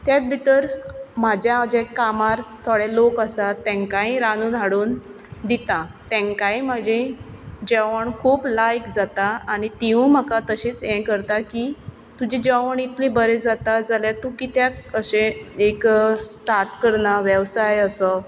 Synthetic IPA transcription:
t̪jat̪̚bʱit̪əɾmad͡ʑjad͡ʑekːamaɾt̪ʰoɽelokəsat̪ːɛ̃ŋkaĩɾanũːnaɽuːn | d̪it̪ãt̪ɛ̃ŋkãĩmad͡ʑʱẽd͡ʑəʋəɳkʰuːplajkd͡zat̪aaɽ̃it̪iũmakat̪əɕiːt͡sɛ̃kəɾt̪akiː | t̪ud͡ʑid͡ʑəʋəɳit̪libəɾed͡zat̪ad͡zaljat̪ukit̪jat̪̚əɕẽeksʈaɾʈkəɾnaʋjəʋsajəsə

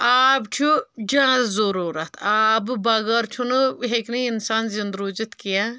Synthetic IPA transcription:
aːbt͡ʃʰud͡ʒãːzzuɾuːɾɐt̪ʰaːbbɐɡɐɾt͡ʃʰunɨɦekniinsaːnzind̪ɾuːzit̪kija

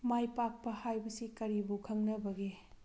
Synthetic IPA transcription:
majpak̚pɐhajbɐsikɐɾibukʰɐŋnɐbɐɡe

